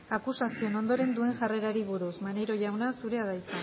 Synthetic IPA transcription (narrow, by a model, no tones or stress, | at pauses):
akusasio̞no̞nd̪o̞ɾe̞nd̪ue̞ŋʝare̞ɾaɾiβ̞uɾusmaneɾo̞ʝawnasuɾe̞aðajt͡sa